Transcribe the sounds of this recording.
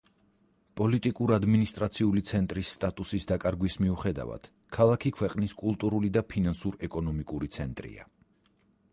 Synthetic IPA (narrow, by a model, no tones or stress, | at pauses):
pʼɔlit̪ʼikʼuɾad̪minist̪ʼɾat̪sʰiulit̪sʰɛnt̪ʼɾisːt̪ʼat̪ʼusisd̪akʼaɾɡwismiuχɛd̪a̰va̰d̪̥ | kʰalˠakʰikʰwɛqʼniskʼulˠt̪ʼuɾulid̪apʰinansuɾɛkʼɔnɔmikʼuɾit̪sʰɛnt̪ʼɾḭa̰